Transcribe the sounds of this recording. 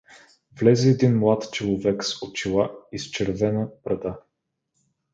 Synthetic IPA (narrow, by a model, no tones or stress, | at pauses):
vlɛzɛɛd̪inmlˠat̪t͡ʃolˠovɛksot͡ʃilˠaist͡ʃɛɾvɛnəpɾɐd̪a